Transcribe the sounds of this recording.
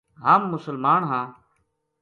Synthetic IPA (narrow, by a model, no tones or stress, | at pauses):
ɦaːmːʊsəlmaːɳɦãː